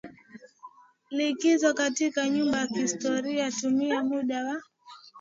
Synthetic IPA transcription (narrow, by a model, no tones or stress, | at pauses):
likizɔkatikaɲumbajakiːstɔɾiatumiɛmuɗawa